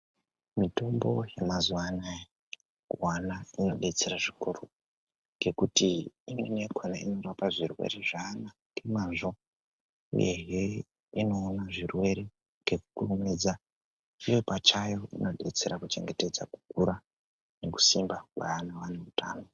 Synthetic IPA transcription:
mito̞mbo̞jemazuwana | ɡʱwanaino̞ɗe̞t͡se̞ɾaʐikuro | ŋɡe̞kutiimwḛneɡʱwanaḭno̞ɾapaʐirwḛɾe̞ʐaːna | ŋemanʐo | ṵjeɦe | ino̞ːnaʐirwe̞ɾe̞ | ŋɡe̞ku̥kurumid͡za | ijo̞pat͡ʃajo̞ino̞ɗe̞̰t͡se̞ɾakut͡ʃe̞̰ŋɡe̞te̞d͡zaku̥kuɾa | ne̞ku̥simbakwa̰anaʋaneutʰa̰ːno̞

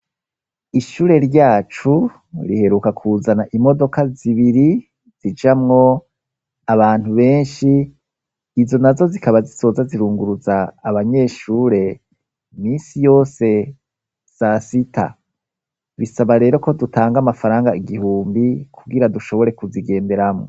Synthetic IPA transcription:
iʃuːɾe̞ɾɟaːt͡ʃu | ɾihe̞ɾukakʰuzanaʔimo̞do̞kaziβiɾi | z̥id͡ʒamŋo̞ | aβaːn̥huβe̞ːnʃiː | zo̞nazo̞zikaβaziso̞ːzaziɾuːŋɡuɾuzaːβaɲe̞ʃuːɾe̞ | miːnsijo̞ːse̞ | z̥asitʰa̰ | βisaβaɾe̞ːɾo̞ko̞dutʰaːŋɡamafaɾaːŋɡaiɡihuːmbikʰuɡiɾaduʃo̞βo̞ɾe̞kuziɡe̞ːnde̞ɾamŋo̰

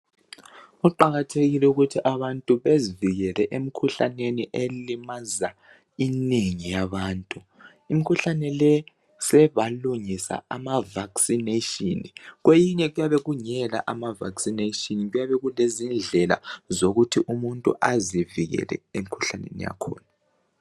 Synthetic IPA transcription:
ɣuǃaɣatʰeɣilɛuɣutʰiʔaβantʼuβeziviɣɛlɛʔemikʰuɬaneniʔelimaza | ineŋijaβaːntʼu | imikʰuɬanɛlɛ | sɛβaluŋisa̰amavaksineʃiniɣwejiɲɛɣujaβɛɣuɲɛla̰ʔamava̰ksinetiniɣujaβɛɣulezind͡ɮʱɛla̰zoɣutʰiʔumuntʼṵʔaziviɣɛ̰lɛ̰emikʰuɬanḛnḭja̰kʰɔ̰ːna

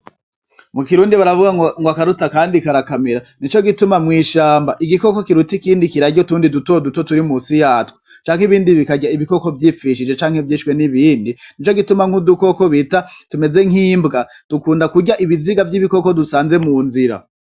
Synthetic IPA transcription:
mukiɾuːndiβaɾavuɡaŋŋɡoakaɾutakaːndikaɾakameɾanit͡ʃo̞ɡitumamŋiːʃaːmbaʔiɡiko̞ko̞kiɾutikiːndikiɾaɟotuːndidutoduto̞tuɾimusijaːtwo̥ | t͡ʃaːŋ̥hiβiːndiβikaɟaiβiko̞ko̞vjiːfiʃ̬id͡ʒe̞t͡ʃaːŋhevjiːʃwe̞niβiːndinit͡ʃoɡitumaŋ̥huduko̞ko̞βitatume̞ze̞ŋ̥hiːmbɡad̥ukuːndakuɟaʔiβiziɡavjiβiko̞ko̞dusaːnze̞muːnziɾa̰

